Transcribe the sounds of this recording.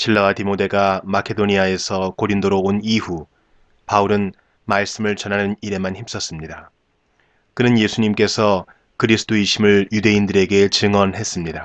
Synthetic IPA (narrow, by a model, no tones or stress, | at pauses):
ɕʰiɭːawatimode̞ɡamakʰe̞doɲiae̞sʰʌkoɾindoɾooniɸu | pauɾɯn | maɭs͈ɯmɯɭt͡ɕʌnɦanɯniɾe̞mançip̚s͈ʌs͈ɯmɲida | kɯnɯnje̞sʰuɲimk͈e̞sʰʌ | kɯɾisʰɯ̥t͈ʰoiɕʰimɯɭjude̞indɯɾe̞ɡe̞t͡ɕɯŋʌnɦe̞s͈ɯmɲida